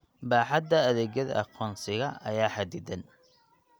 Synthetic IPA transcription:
baːħɑd̪ːɐːðɛːɣjɐðɐɐ̰qɔːnsɪɣɐɐ̰jaːħad̪id̪ɐn

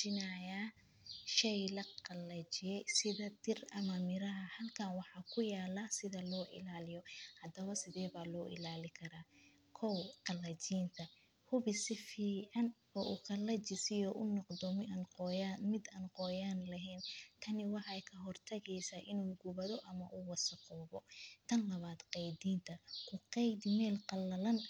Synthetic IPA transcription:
t͡ʃɪnajaː | ʃɛjlɐqɑlɐt͡ʃɪjɛjsɪðɐd̪ɪrɐmɐmɪɾɐɦɐhɐlkʰɐnwɑħɑːkʰʊjaːlasɪðɐlɔːʔɪ̰laːlɪjɔhɐd̪ɐβɐsɪðɛːβaːlɔːʔɪ̰laːlɪkʰɐɾaː | kʰɔwqɑlɐt͡ʃiːnt̪ʰɐ | hʊβɪsɪfiːʕɑn | ɔːʔuqɑlɐt͡ʃɪsɪjɔːʔʊnɔqd̪ɔmɪɐnqɔjanmɪd̪ɐnqɔːjaːnlɐɦɛːnt̪ʰɐnɪwɑħjkʰɐɦɔrt̪ʰɐɣɛjsaːʔɪnuːɡʊβɐðɔʔɐmɐ̰ʔuːwɑsɐqɔːβɔt̪ʰɐnlɐβaːd̪qɛjd̪iːnt̪ʰɐkʰʊqɛjd̪mɛːlqɑlɐlɐn

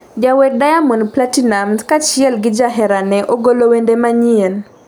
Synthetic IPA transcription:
d͡ʒawɛk̚dajamɔnplatinamskat͡ʃɪɛlɡɪd͡ʒaɦɛɾanɛʔoɡolowendemaɲien

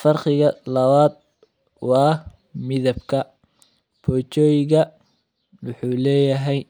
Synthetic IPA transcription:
fɐrqɪɣɐlɐβaːd̪̚ | wɑː | mɪðɐbkʰɐ | pʰɔːt͡ʃɔːjɪɣɐ | wʊħuːlɛːjɐɦɛj

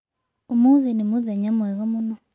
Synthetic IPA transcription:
omuðenemoðɛɲamwɛɣɔmunɔ

